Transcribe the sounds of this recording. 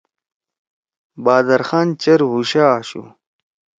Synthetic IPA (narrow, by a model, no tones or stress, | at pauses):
baːd̪ɐɾxaːnt͡ɕɐɾɦuɕaːɕṵ